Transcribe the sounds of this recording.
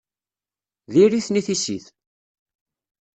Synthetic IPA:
ðiɾiθniθisḭθ

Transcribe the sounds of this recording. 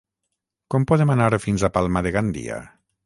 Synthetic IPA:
kɔmpɔðemanaɾfinzapalˠmaðeɣand̪ḭa̰

